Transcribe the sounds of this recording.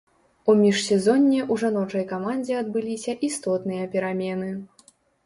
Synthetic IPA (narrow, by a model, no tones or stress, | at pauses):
umʲiʂsʲɛzɔnʲːɛʔuʐanɔt͡ʂɐjkamanʲd͡zʲɛɐd̪bɨlʲisʲɐʔist̪ɔt̪nɨjɐpʲɛɾamʲɛnɨ